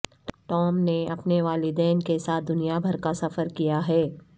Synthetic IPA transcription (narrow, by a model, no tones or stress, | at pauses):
ʈɔːmneɐpneʋaːlid̪ɛːnkesaːt̪̚d̪ʊnijabʱɐɾkasɐfəɾkijaɦɛː